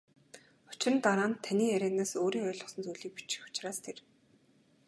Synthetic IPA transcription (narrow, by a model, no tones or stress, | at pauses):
ʊ̥t͡ɕrə̆nt̪aɾaːnt̪ʰːaniːæɾʲæːnaːsoːɾiːŋœːɮʁɞ̆sə̆nt͡sujɮiːk̚pit͡ɕɪ̥̆xʊ̥t͡ɕraːst̪ʰer